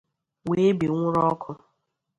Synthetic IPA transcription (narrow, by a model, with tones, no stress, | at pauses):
we˨˦bi˨ŋʷʊ˦ɾɔ˦kʰʊ˦